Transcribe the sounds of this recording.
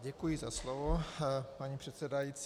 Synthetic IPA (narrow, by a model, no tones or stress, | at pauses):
ɟɛkujɪzaslovopaɲipr̝̥ɛt̪sɛdajit͡s